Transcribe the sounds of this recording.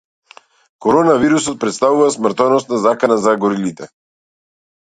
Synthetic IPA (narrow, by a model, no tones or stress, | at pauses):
kɔɾɔnaviɾusɔt̪̚pɾɛt̪st̪avuvasmɾt̪ɔnɔst̪nazakanazaɡɔɾilit̪ɛ